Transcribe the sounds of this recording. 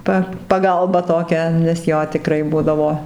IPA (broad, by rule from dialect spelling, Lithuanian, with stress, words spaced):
ˈpɐ pɐˈɡɐlˠbɐ toːˈkʲɛ nʲɛs ˈjoː tʲɪˈkrɐɪ ˈbʊdɐʋoː